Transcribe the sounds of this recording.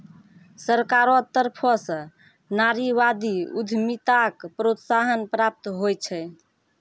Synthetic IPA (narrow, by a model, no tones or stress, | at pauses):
səɾkaɾɔt̪əɾpʰɔsə̃ | naɾiʋad̪iṵd̪ʱmit̪akpɾot̪saɦənpɾap̚t̪ɦojt͡ʃʰɛ